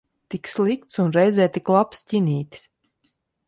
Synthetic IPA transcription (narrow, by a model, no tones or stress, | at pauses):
t̪ikslˠikt̪sunɾɛjzɛːt̪iklˠapscinʲiːt̪ʲs